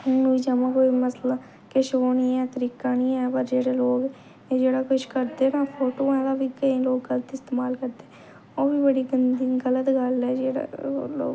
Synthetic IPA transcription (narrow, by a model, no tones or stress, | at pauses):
ʊnũːid͡ʒaːmãːkoːiːməslãː | kɪʃoːniːɛːt̪əɾiːkaːnĩːɛːpəɾd͡ʒeːɽeːloːɡ | d͡ʒeːɽaːkʊʃkəɾd̪eːnaːpʰoːʈoːɛ̃ːd̪aːʋiːkəĩːloːɡːələt̪ɪst̪eːmaːlkəɾd̪eɛ | oːbiːbəɽiːɡənd̪iːɡələt̪ɡəlɛːd͡ʒeːɽa̰lo̰ː